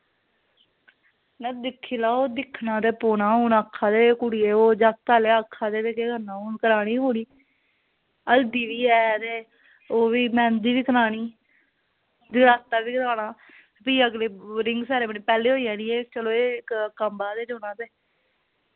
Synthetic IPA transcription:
nɛːd̪ɪkʰːiːlaːoːd̪ɪkʰːnãːt̪eːpoːnaːoːnaːkʰːaːd̪eːkʊɽieːoːd͡ʒaːk̚t̪aːleːakʰːaːd̪eːt̪eːkeːɡənãːoːnkəɾaːɽ̃iːɦoːɽ̃iː | əld̪iːʋiːɛːt̪eː | oːʋiːmɛ̃ːnd̪iːʋiːkəɾaːɽiː | d̪ɪɡɾaːst̪aːʋiːkəɾaːɽ̃aː | piːəɡleːɾɪŋɡsɛːɾeːməniːpɛːleːɦoːiːãːniːeːt͡ʃəloːeːɪkkəmbaːd̪eːd͡ʒoːnãːt̪eː

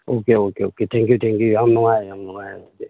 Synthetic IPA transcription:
okeokeoketʰeŋkuteŋkijaŋnɔŋajejaŋnɔŋajeoke

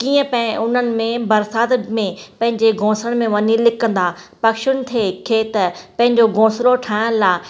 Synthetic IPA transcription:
kiːə̃pɐ̃ɪ̃ʊn̤ənɪ̆mẽbɐɾsaːt̪mẽpɐ̃ɦɪ̃ɲd͡ʑeɡʱõːsəɽ̃mẽʋɐɲilɪkə̃nd̪aː | pɐkʃʊñɪ̆t̪ʰeːkʰeːt̪əpɐ̃ɦɪ̃ɲd͡ʑoɡʱõːsloʈʰaːə̃laː

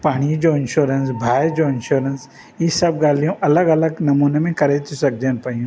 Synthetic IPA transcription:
paːɽ̃id͡ʒoɪ̃nʃoːɾənsbʱaːjd͡ʒoɪ̃nʃoːɾəns | isɐbɡaːlijõʔɐləɡɐləɡnɐmuːnemẽkɐɾet̪esɐk̚d͡ʒənpaːjũ

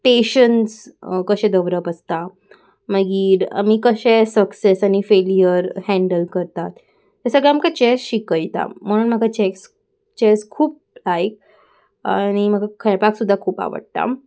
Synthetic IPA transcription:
ʈeɕənskəɕɛ̃d̪əʋɾəpəst̪a | məɡiːɾa̰miːkəɕesəksesañifelijəɾhæ̃ɳɖəlkəɾt̪at̪ː | asəɡɭɛamkat͡ɕesɕikəjt̪a̰m̤əɽ̃uːnm̤əɡat͡ɕeks | t͡ɕɛskʰuːp̚lajk̚ | a̰ɽ̃im̤əɡʱakʰəjpaksud̪ʱːakʰuːpa̰ʋə̰ɽt̪a̰

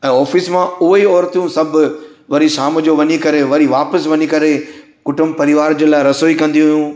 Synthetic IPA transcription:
ɛ̃ːɔːfismãʊɦiɔːɾt̪jũsɐbʱʋɐɾiʃaːm̆d͡ʑoʋɐɲikɐɾeʋɐɾiʋaːpəsʋɐɲikɐɾe | kʊʈʊmpɐɾɪʋaːɾd͡ʑəlaːɪɾɐsoːikɐ̃nd̪iɦʊjũː

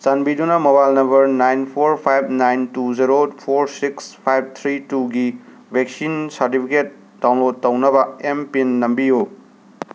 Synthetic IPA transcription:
sanbidunɐmobajlnɐmbɐɾnajnpʰoɾpʰajb̚najntuzeɾopʰoɾsikspʰajb̚t̪ʰɾituɡi | bʱeksinsɐɾtipʰiket̚ | dawnlod̚tɐwnɐbɐempinːɐmbijo

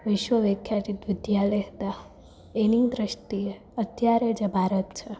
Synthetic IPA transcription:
ʋɪʃʋəʋekʰjaɾit̪ʋɪd̪jaleɦt̪a | enid̪ɾɪʃt̪ie | ət̪jaɾed͡ʒebʱaɾət̪t͡ʃʰe

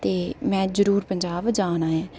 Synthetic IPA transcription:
t̪eːmɛ̃ːzəɾuːɾpəɲd͡ʒaːʋd͡ʒaːnaːɛː

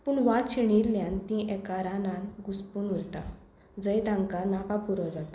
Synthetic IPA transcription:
puɳʋaʈɕiɳ̃iɾljãnt̪ĩʔɛkaɾanãnɡuspuːnulʈ̪ã̰ | d͡zəjd̪ãŋkanakapuɾɔd͡zat̪a

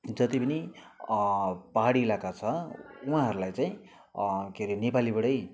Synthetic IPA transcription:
d͡zʌt̪ipʌni | paɦaɽielakat͡sʰʌuɦãɦʌɾulajt͡saĩ | keɾinepalibʌɽʌj

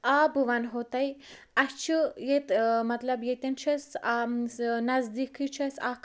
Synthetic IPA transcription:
abɨʋɐnɦot̪ɐj | ɐst͡ʃʰijet̪mɐt̪lɐbjet̪ɐnt͡ʃʰɐsanɐzd̪ikʰit͡ʃʰɐsak

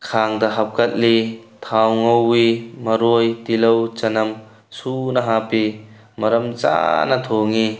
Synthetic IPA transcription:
kʰaːŋd̪ɐɦɐp̚kɐt̪̚lit̪ʰawŋowimɐɾujt̪ilowt͡ʃɐnɐm | suːnɐɦaːpi | mɐɾɐmt͡ʃa̰ːnɐt̪ʰɔːŋi

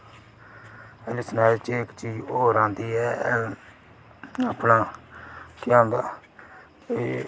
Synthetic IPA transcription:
əlɪsənaːlt͡ʃeːkt͡ʃiːd͡ʒoːɾãːnd̪iːɛː | aːpnaː | kɪãːnd̪aː

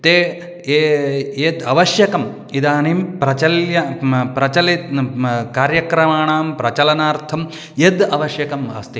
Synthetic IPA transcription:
t̪eː | eed̪ɐʋɐʃjɐkɐm | id̪aːnimpɾɐt͡ʃɐljɐpɾɐt͡ʃɐlit̪kaːɾjɐkɾɐmaːɳaːmpɾɐt͡ʃɐlɐnaːɾt̪ʰɐm | jed̪ɐʋɐʃjɐkɐmɐ̰st̪i

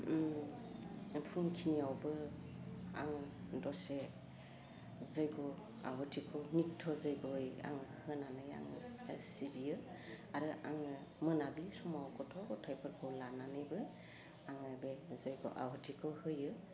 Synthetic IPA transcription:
pʰuŋkʰiniawbɯ | a̰ŋdɔse | zɯjɡɔ | a̰wɔtʰikʰɔnitʰːɔzɯjɡɔja̰ŋɯhɯnanɯja̰ŋɯ̰sibijɯ | aɾɯʔaŋɯmɯnabisumawkʰɔtʰɔkɔtʰajpʰɯɾkʰɔwlananɯjbɯ | aŋɯbezɯjɡɔ̰ʔa̰wɔtʰikʰɔhɯjɯ

